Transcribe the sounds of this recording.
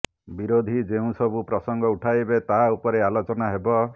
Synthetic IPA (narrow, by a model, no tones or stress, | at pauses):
biɾod̪ʱid͡ʒeũsɔbupɾɔsɔŋɡɔuʈʰajbet̪aɦaupɔɾealot͡ʃɔnaɦebɔ